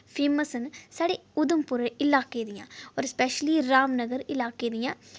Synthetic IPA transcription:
fʰeːmɐsɐnsaːɽeːʊd̪umpʊɾɐɪlaːkeːd̪ijã̰ːoːɾspɛːʃəliɾaːmnɐɡəɾɪlaːkeːd̪ijãː

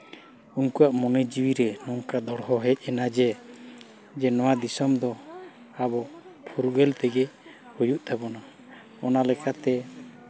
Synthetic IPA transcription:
unkuwaʔmɔnɛd͡ʒiwiɾɛnɔŋkad̪ɔɽɦɔɦɛc̚ˀɛnad͡ʒɛ | d͡ʒɛnɔwad̪isɔmd̪ɔ | abɔpʰuɾɡɛlt̪ɛɡɛ | hujuʔt̪ʰabɔna | ɔnalɛkat̪ɛ

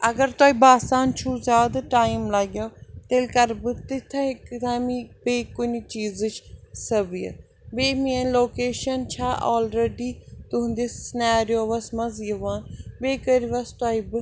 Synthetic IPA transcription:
ɐɡəɾt̪aːibaːsaːnt͡ʃʰuːzʲjaːd̪ʈaːimlaɡjat̪elkɐɾbɨt̪ɪt̪ʰãkt̪ʰãːmĩbeːkʊnit͡ʃiːzɨt͡ʃʰsɐbijɐ̰ | beːmieloːkeːʃɐnt͡ʃʰaːʔɔːlɾeːɖiːt̪ʊ̃nd̪essɪnaːɾijoːʋɐsmɐziɐʋãːnbeːkəɾiʋɐst̪aːibɨ

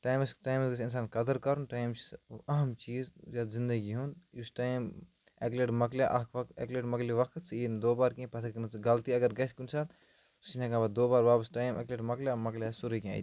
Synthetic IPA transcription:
ʈaːjmsʈaːjmssins̬aːnkɐd̪əɾkɐɾunʈaːjmt͡ʃʔɐɦɐmt͡ʃiːzzaːt̪zĩnd̪əɡiɦund̪jusʈaːjm | ḛkleʈmɐkljaʔɐkʰʋɐkt̪ḛːkleʈmɐkliʋɐkʰt̪siːnd̪oːbaːɾkẽpɐt̪ʰaknɐt͡siɡɐlt̪iɐɡɐɾɡɐsʰʲkunsʰaːt̪ | si̥t͡ʃnɐ̃kãbad̪oːbaːɾʋaːbɐsʈaːjmɐ̰kleːʈmɐkljaːmɐklʲjasuɾika̰ːjt̪

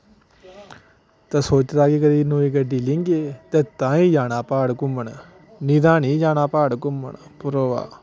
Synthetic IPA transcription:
t̪aːsoːt͡ʃɾaːɡeːkəɾiːnoːiːkəɖiːlɪŋɡeːt̪ɛːt̪ãːĩːd͡ʒaːnaːpaːɽkʊməɳ | niːd̪ãːnĩːd͡ʒaːnaːpaːɽkʊmə̰ɳpʊɾoːʋa̰ː

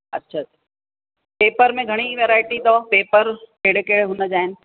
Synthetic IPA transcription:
ɐ̰tːʃʰaa | peːpəɾmẽɡʱɐɽ̃iʋeːɾaːɪʈit̪opeːpəɾkeːɽekeːɽeɦʊnəd͡ʑaːɪnɪ̆

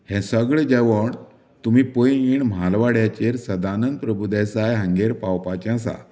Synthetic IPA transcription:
hɛ̃səɡɭed͡ʑɛʋəɳ | t̪umipojiːɳm̤alʋaɽjat͡ɕeɾsəd̪anənd̪̚pɾəbʱud̪asajɦə̃ŋɡeɾpawpat͡ɕãsa̰

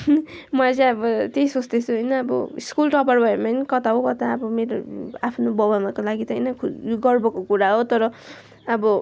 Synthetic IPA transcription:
mʌat͡sãʌbʌt̪ejsot͡sd̪et͡sʰuɦʌjnʌːbʌ̰iskulʈʌparbʱʌemanikʌt̪aɦokʌt̪aʌbʌmeɾoapʰnobʌbamakolaɡit̪ʌɦʌjnʌkʰɡʌrbʌkokuɾaɦot̪ʌɾʌ | ʌbʌ

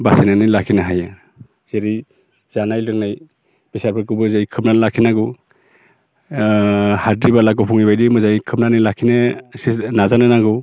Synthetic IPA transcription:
basenanɯlakʰinaɦaja | z̥eɾi | z̥anajlɯŋ̚naj | b̥isaɾpʰɯkubɯzajkʰɯp̚nanlakʰinaɡɯ | hatɾibalaɡɔpʰɔŋibajdimɯzajkʰɯp̚nanɯjlakʰinɯsinazanɯnaɡɯ

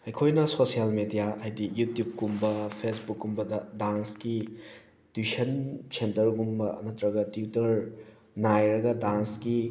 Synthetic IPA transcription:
ɐjkʰojnɐsosijalmedijaajdijutjub̚kumbɐpʰesbukːumbɐdɐdanski | tusɐnsentɐɾɡumbɐɐ̰nɐtɾɐɡɐtiutɐɾ | najɾɐɡɐdanski

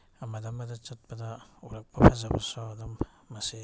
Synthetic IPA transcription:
amadamadat͡ʃat̚badauɾak̚bapʰazabasodamː | asi

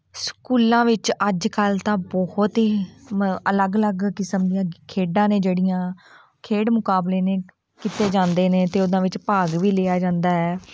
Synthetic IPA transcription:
skuːlãːʋɪt͡ʃəd͡ʒkəlt̪ãːbɔht̪ɦiː | ələɡələɡkɪsəmd̪ijãːkʰeːɖãːnẽːd͡ʒeːɽɪjãː | kʰeːɽmʊkaːbleːneː | kit̪eːd͡ʒãːnd̪eːneːt̪eːʊd̪ãːʋɪt͡ʃpaːɡʋiːleːaːd͡ʒãːnd̪aːɦɛː

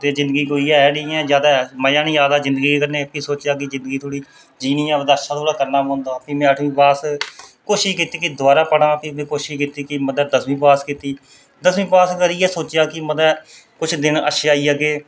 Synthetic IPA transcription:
t̪eːzɪ̃nd̪ɡiːkoːiːɛɛːɽiiːɛ̃ːzjaːd̪aːməjãːnĩːd͡ʒaːd̪aːzɪ̃nd̪ɡiːkəɾneːpiːsoːt͡ʃjaːkɪzɪ̃nd̪ɡiːt̪ʰoːɽiː | d͡ʒiːnĩːaːməd̪aːəʃʰãːt̪ʰoːɽaːkəɾnaːɦõːnd̪aːpiːmɛ̃ːəʈʰʋĩːpaːskoːʃiʃkiːt̪iːkɪd̪ʊwaːɾaːpəɽãːpimɛ̃ːkoːʃɪʃkiːt̪iːkɪməd̪əːd̪əsʋĩːpaːskiːt̪iː | d̪əsmĩːpaːskəɾiːɛːsoːt͡ʃɪjaːkɪməd̪ɛː | kʊt͡ʃʰd̪ɪnə̰ʃaːiːaːɡeː

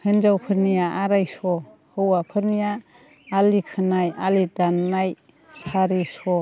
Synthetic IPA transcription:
hɯnd͡ʒawpʰɯɾnijaʔaɾajsɔ | hɯwapʰɯɾnijaː | likʰɯnajalidanːaj | saɾisɔ

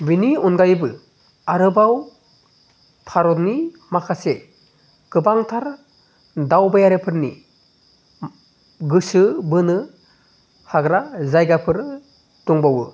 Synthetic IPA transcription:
biniunɡajbɯ | aɾɯbaw | pʰaɾɔtni | makʰase | kɯbaŋtʰaɾ | dawbajaɾepʰɯɾni | ɡɯsɯbɯnɯ | haɡɾazajɡapʰɯɾ | tuŋbawɯ

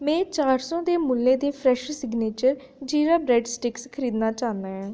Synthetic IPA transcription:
mɛ̃ːt͡ʃaːɾsɔ̃ːd̪eːmʊlːẽːd̪eːpʰɾɛːʃsɪɡneːt͡ʃəɾ | d͡ʒiːɾaːbɾɛːɖsʈɪkskʰəɾiːd̪naːt͡ʃaːnd̪aːɦɛ̃ː

